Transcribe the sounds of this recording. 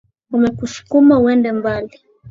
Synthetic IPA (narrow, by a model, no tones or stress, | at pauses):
umɛkuʃu̥kumauwɛndɛmbali